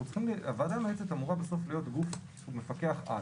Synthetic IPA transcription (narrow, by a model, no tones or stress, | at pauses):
ut͡sχimliavad̪ameet͡set̪amuʁabeso̞flijo̞tɡufʃumefake̞aχʔa̰